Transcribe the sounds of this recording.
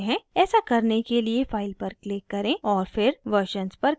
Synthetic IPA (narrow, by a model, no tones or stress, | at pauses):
ɦɛ̃ɛːsakɐɾnekeliefaːɪlpɐɾklɪkːɐɾẽɔːɾfɪɾʋəɾʃənzpɐɾ